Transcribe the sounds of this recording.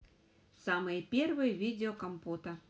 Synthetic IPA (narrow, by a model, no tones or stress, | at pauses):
samɨjəpʲervɨjəvʲid͡zʲɪokɐmput̪ɐ